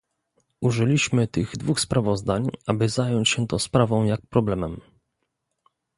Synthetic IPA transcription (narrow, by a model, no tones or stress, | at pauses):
ʔuʐɘlʲiɕmɘt̪ɘɣd̪vuxspɾavɔzd̪aɲʔabɘzajɔɲt͡ɕɕɛt̪ɔ̃spɾavɔ̃w̃jak̚pɾɔblɛmɛm